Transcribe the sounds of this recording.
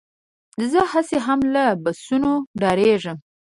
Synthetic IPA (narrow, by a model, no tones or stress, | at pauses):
zəhaseɦamlabasunoɖɑɾeʐəm